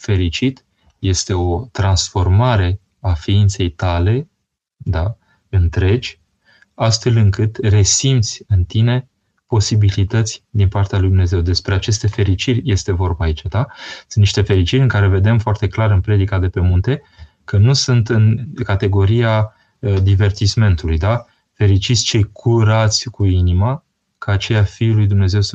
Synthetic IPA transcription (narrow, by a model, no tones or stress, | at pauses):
fe̞ɾit͡ʃit̪ | je̞st̪e̞o̞t̪ɾansfo̞rmaɾe̞ | afiint̪se̞jt̪ale̞ | d̪a | ɨnt̪ɾe̞d͡ʒʲ | ast̪fe̞lɨŋkɨt̪re̞simt̪sʲɨnt̪ine̞ | po̞sibilit̪ət̪sʲd̪inpart̪ealujd̪umne̞ze̞wd̪e̞spɾe̞at͡ʃe̞st̪e̞fe̞ɾit͡ʃirʲje̞st̪e̞vo̞rbaːit͡ʃad̪asɨnniʃt̪e̞fe̞ɾit͡ʃiɾʲɨŋkaɾe̞ve̞d̪e̞mfoart̪e̞klaɾɨnpɾe̞d̪ikad̪e̞pe̞munt̪e̞ | kənusunt̪ɨnkat̪e̞ɡo̞ɾia | d̪ive̞rt̪isme̞nt̪ulujd̪a | fe̞ɾit͡ʃit̪sʲt͡ʃe̞jkʰuɾat̪sʲkuinima | kʰaːt͡ʃe̞jafijlujd̪umne̞ze̞ws